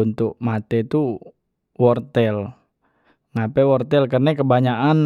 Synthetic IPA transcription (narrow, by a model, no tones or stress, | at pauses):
unt̪ʊk̚mat̪ɛt̪u | wɔrt̪ɛl | ŋapɛwɔrt̪ɛlkərnɛkəbaɲaʔan